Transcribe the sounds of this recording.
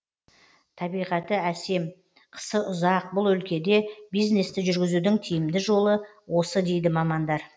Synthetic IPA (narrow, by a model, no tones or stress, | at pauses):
t̪ʰɑbijʁɑt̪əæse̞m | qʰə̥səʔʊzɑq̚bʊlˠɵlkʲe̞d̪e̞bijzne̞st̪ɪʒʏɾɡʲɪzud̪ɪŋt̪ʰijɪmd̪ɪʒo̞lˠə | wo̞səd̪e̞jd̪ɪmɑmɑnd̪ɑɾ